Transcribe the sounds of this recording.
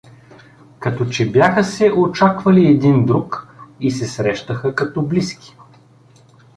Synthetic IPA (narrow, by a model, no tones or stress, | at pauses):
kɐt̪ɔt͡ʃɛbjaxəsɛʔot͡ʃakvɐliɛd̪ind̪ɾukisɛsɾɛʃt̪əxəkɐt̪ɔbliski̥